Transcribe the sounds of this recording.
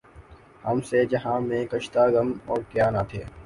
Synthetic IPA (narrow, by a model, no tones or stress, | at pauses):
həmsed͡ʒɐɦãːmẽːkəʃt̪aːɡəmɔːɾkjaːnaːt̪ʰḛː